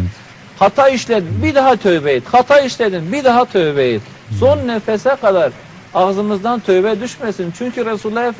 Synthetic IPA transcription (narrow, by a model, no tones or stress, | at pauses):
hat̪ʰaiʃlʲed̪inbid̪aɦat̪ʰøbɛjid̪̥hat̪ʰaiʃlʲed̪inbid̪aɦat̪ʰøjbɛjid̪ | so̞nːɛfɛsɛkʰad̪aɾ | aɣzɯmɯzd̪ant̪ʰøjbɛd̪yʃmɛsint͡ʃʰyɲcʰyɾesulˠːaɛf